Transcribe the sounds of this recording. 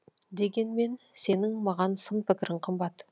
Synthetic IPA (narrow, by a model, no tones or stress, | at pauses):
d̪e̞ɡʲe̞nme̞n | se̞nɪŋmɑʁɑnsənpʰɪkʲɪɾɪɴqʰəmbɑt̪